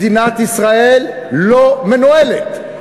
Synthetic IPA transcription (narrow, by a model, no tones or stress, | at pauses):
inat̪isʁaelː | omenoelet̪